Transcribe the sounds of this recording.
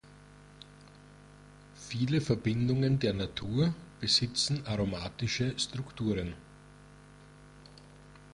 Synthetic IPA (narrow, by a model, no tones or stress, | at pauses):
fiːləfɛɐbɪndʊŋəndeːɐnatʰuːɐb̥əzɪt͡sn̩ʔaʁomaːtɪʃəstʁ̥ʊktʰuːʁən